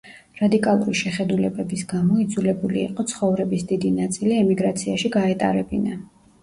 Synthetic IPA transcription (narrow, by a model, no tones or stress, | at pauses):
ɾad̪ikʼalˠṵɾiʃɛχɛd̪ulɛbɛbisɡamɔid̪zulɛbulḭːqʼɔt̪sʰχɔvɾɛbisd̪id̪inat̪sʼiliɛmiɡɾat̪sʰiaʃiɡaɛt̪ʼa̰ɾɛbina